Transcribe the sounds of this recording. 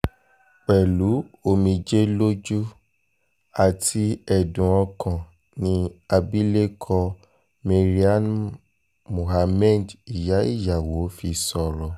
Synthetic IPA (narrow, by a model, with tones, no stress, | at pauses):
k͡pɛ˨lu˨˦o˧˨mĩ˧d͡ʒe˦lo˦d͡ʒu˦ | a˨tʰi˧˦ɛ˨dũ˨ɔ̃˧kã˨ | nĩ˧a˧bi˦le˦kʰɔ˧ | me˧ɾi˦a˦n | mõ˨ha˧mɛ˦˨di˨ja˨˦i˦˨ja˨wo˨˦fi˧sɔ˧˨ɾɔ˧